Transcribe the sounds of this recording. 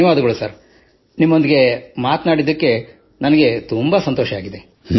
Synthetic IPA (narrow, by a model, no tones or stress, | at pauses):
ɐʋaːd̪ɐɡɐɭusɐɾ | nimːo̞nd̪iɡe̞maːt̪naːɽid̪ɐkːe̞ | nɐnɐɡe̞t̪umbɐsɐnt̪oːʃɐaːɡid̪e